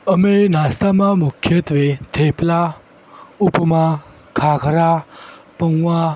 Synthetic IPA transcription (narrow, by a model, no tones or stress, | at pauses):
əmenast̪amamukʰːjət̪ʋet̪ʰepla | upma | kʰakʰəɾapəwʋa